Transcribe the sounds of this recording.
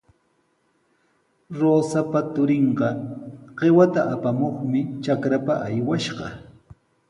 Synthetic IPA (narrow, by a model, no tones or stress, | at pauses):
ɾoːsapat̪ʊɾɪɴɢɑɢ̥ewat̪aapamoχmɪt͡ʃakɾapaʔajwaʃɢɑ